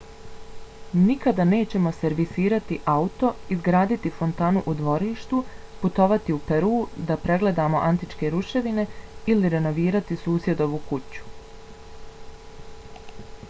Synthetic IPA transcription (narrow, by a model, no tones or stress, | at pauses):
nikad̪ane̞ːt͡ɕe̞mo̞se̞ɾʋisiːɾat̪iʔaut̪o̞izɡɾaːd̪it̪ifo̞nt̪aːnuʔud̪ʋo̞ɾiːʃt̪uput̪o̞ʋat̪iupe̞ɾuːd̪apɾe̞ɡle̞d̪aːmo̞ʔant̪it͡ʃke̞ɾuʃe̞ʋine̞iliɾe̞no̞ʋiːɾat̪isuːsje̞d̪o̞ʋuːkut͡ɕu̥